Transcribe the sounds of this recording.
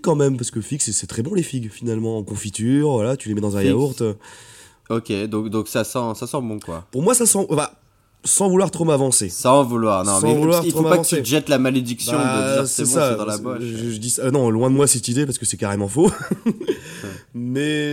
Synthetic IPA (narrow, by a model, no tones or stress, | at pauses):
kɑ̃mɛmpaʁsə̥kəfiksɛsɛt̪χɛbɔ̃lefiɡfinalmɑ̃kɔ̃fit̪yʁvwalat̪ylemɛd̪ɑ̃zɛ̃jauʁt̪ø | ɔkʲed̪ɔ̃kd̪ɔ̃ksasɑ̃sasɑ̃bɔ̃kwa̰puʁmwasasɑ̃ʔɑ̃fɛ | sɑ̃vulwaʁt̪χomavɑ̃sessɑ̃vulwaʁnɔ̃smɑɛ̃vlwaʁtiχoomapaṽɑ̃stsyet̪ʒɛt̪lamaled̪iksbjɔ̃d̪əisɛsad̪ɑ̃labɔʒəʒəd̪isanɔ̃lwɛ̃d̪əmwasɛt̪id̪epaʁsəkəsɛkaʁemɑ̃fo | mɛ